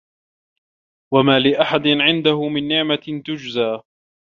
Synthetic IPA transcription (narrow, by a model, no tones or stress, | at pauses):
wamaːlɪʔaħad̪ɪnʕɪnd̪ahʊmɪnːɪʕmat̪ʊd͡ʒzaː